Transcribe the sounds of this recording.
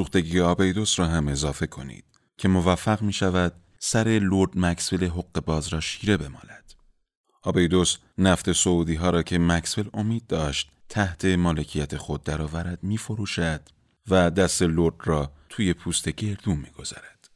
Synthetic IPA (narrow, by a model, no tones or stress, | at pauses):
suːxt̪e̞ɟijeɒːbejd̪o̞sɾɒːɦæme̞zɒːfe̞kʰo̞̰nḭːd̪̥ | cʰe̞mo̞væfːæɣmiːʃævæd̪̥ | sæɾe̞loɾd̪̥mæksveleɦo̞ɣ̥ːe̞bɒːzɾɒːʃiːɾe̞be̞mɒ̰ːnæd̪̥ | ʔɒːbejd̪o̞s | næft̪e̞souːd̪iːɦɒːɾɒːcʰe̞mæksvelo̞miːd̪̚ːɒːʃt̪t̪ʰːæht̪ʰe̞mɒːle̞cʰijæt̪ʰe̞xo̞d̪̚ːæɾɒːvæɾæd̪̥miːfo̞ɾuːʃæd̪̥ | væd̪æst̪e̞loɾd̪rɒːt̪ʰuːje̞pʰuːst̪e̞ɟe̞ɾd̪uːmmiːɡ̥o̞z̥æ̰ɾæd̪̥